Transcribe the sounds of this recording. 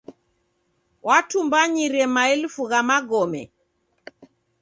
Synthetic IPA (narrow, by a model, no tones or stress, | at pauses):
wʔatumbaɲiɾɛmaɛlfuɣamaɡɔmɛ̰